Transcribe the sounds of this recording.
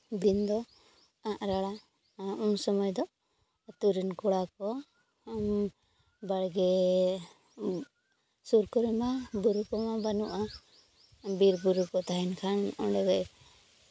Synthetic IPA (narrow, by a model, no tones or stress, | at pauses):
d̪ind̪ɔ | ãʔɾaɽa | unsɔmɔjd̪ɔ | t̪uɾinkɔɽakɔ | m | baɽɡɛ | suɾkɔɾɛmabuɾukɔmabanuʔa | biɾbuɾukɔt̪aɦɛnkʰanʔɔɖɛɡaʔ